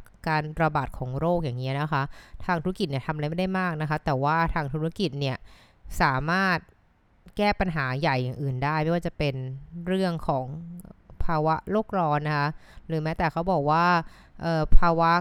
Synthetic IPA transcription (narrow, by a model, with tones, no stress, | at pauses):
kaː˧nɾa˧baː˨˩t̪̚kʰɔː˩˦ŋɾoː˥˩k̚jaː˨˩ŋːi˦˥ɐna˦˥kʰa˦˥ʔt̪ʰaː˧ŋt̪ʰu˧˥ɾa˥ki˨˩t̪̚ni˥˩t̪ʰa˧mʔjma˥˩da˥˩jmaː˥˩k̚na˦˥kʰa˦˥t̪ɛː˨˩waː˥˩t̪ʰaː˧ŋt̪ʰuː˦˥ɾa˥ki˨˩t̪̚ni˥˩ɐ | saː˩˦maː˥˩t̪̚ | kɛː˥˩pa˧nɦaː˩˦ja˨˩jːaː˨˩ŋʔɯː˨˩ndaː˥˩jma˥˩waː˥˩t͡ɕa˨˩pe˧nɾɯ˥˩əŋkʰɔː˩˦ŋpʰaː˧wa˦˥ʔɾoː˥˩k̚ɾɔː˧nːa˦˥kʰa˦˥ɾɯː˩˦mɛː˦˥t̪ɛː˨˩kʰa˦˥wbɔː˨˩k̚waː˥˩ | ʔɤː˨˩pʰaː˧wa˦˥